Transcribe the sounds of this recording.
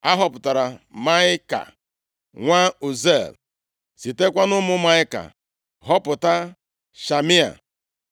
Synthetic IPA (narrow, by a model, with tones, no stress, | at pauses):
a˦ɦɔ˦pʊ˨ta˨ɾa˨ma˦ɪ˦ka̰˨ | ŋʷa˦u˨ze˦˨l | si˨te˦kʷa˦nʊ˦mʊ˦ma˦ɪ˦ka̰˨ | ɦɔ˦pʊ˨ta˦ | ʃa˨mi˦a̰˨